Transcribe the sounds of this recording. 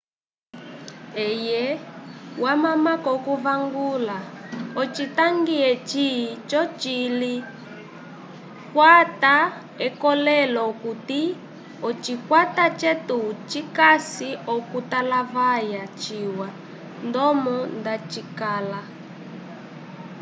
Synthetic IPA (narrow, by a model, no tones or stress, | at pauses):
ɛjɛwamamakɔkuvaŋɡulaɔt͡ʃitaŋɡiɛt͡ʃit͡ʃɔt͡ʃili | kwata | ɛkɔlɛlɔkuti | ɔt͡ʃikwatat͡ʃɛtut͡ʃikasiɔkutalavajat͡ʃiwa | ndɔmɔndat͡ʃikaːla